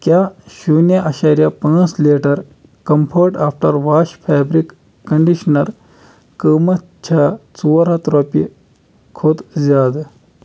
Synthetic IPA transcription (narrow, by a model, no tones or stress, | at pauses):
kjaːʃuːnjaʔɐʃaːɾijapãːnsleːʈɐɾ | kɐmpʰəːʈaːfʈɐɾʋaːʃpʰaːbɾikː | ɐ̃ɳɖiʃnɐɾ | kəːmɐ | t͡ʃʰaːt͡suʋɐɾɐt̪ɾɔːpi | kʰod̪zaːd̪